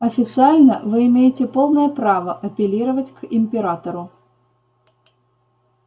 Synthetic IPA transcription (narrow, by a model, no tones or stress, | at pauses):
ɐfʲɪt̪sɨalʲnəvɨɪmʲejɪtʲɪpo̞lˠnəjəpɾavəʔɐpʲɪlʲiɾəvətʲkɪmʲpʲɪɾat̪əɾʊ